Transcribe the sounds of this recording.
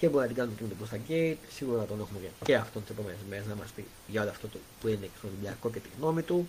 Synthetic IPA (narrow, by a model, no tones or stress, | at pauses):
ceboɾiɐt̪iɡɐnumecenot̪ikust̪ɐɟeit̪siɣuɾɐɾɐɐt̪onexumececeɐft̪ont̪isepo̞menezmeɾeznɐmɐsti | ʝɐoliɐft̪ot̪upueneksot̪ibʎɐko̞cet̪iɣno̞mit̪u